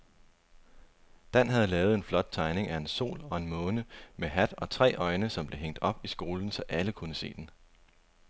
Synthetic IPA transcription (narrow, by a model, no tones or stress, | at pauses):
d̥æn̰ɦæð̞ˠlɛːʊð̩ˠe̝nflɒ̽d̥̚t͡sʰɑ̈ɪne̝ŋæe̝nso̝̰ːlɒ̽e̝nmɔ̽ːnəmeɦæd̥ɒ̽t͡sʰʁɛ̰ːʔɒ̽ɪnəsɒ̽mb̥le̝ɦeŋ̰d̥ɒ̽b̥isɡ̥o̝ːln̩sɒ̽ʔæləkʰunəse̝̰ːd̥en